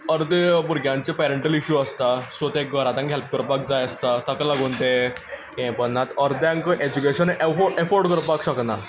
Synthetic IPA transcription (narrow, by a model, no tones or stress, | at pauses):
əɾd̪buɾɡʱjãnt͡ɕepɛɾəɳʈəliɕuəst̪asʋot̪eɡəɾat̪ãŋkɦelp̚kəɾpak̚d͡zajəst̪asəklaɡʱont̪ekẽpənnːat̪əɾd̪jãŋkəʔed͡ʑukeɕənʔefɔefɔɾɖkəɾpakɕəkna